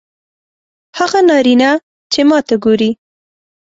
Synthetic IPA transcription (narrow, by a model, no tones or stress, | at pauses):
haɣanɑɾina | t͡ʃemɑt̪aɡoɾi